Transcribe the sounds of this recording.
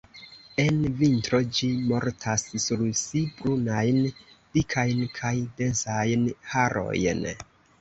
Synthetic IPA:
e̞nvintɾo̞d͡ʒimo̞ɾtʰassuɾsibɾunajnd̥ikʰajnkʰajdensajnhaɾo̞̰jn

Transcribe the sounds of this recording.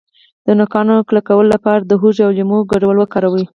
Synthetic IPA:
d̪̥ənʊkɑnoklakawəlolapɑɾad̪əɦuʒawlimoɡaɖawəlwəkɑɾawi

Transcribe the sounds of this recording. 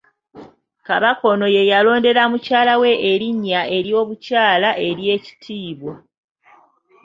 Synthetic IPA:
kaβako̞no̞je̞jalo̞ːnde̞ɾamucaːlawe̞ʔːɾiɲːae̞ɾjo̞ːβucaːlaʔe̞ɾje̞ːci̥tʰiːβwo

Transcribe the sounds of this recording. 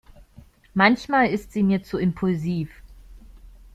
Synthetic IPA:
mançmaːlɪstz̥iːmiːɐt͡suɪmpʰʊlziːf

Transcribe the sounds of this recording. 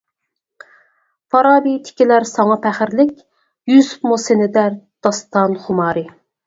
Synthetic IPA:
fɑɾɑːbit̪ʰɪ̥kʲilæɾsɑŋɑpʰæχɪɾlɪkʲ | jysu̥pmosenɪd̪æɾd̪̥ɑst̪ɑnχʊmɑːɾɪ

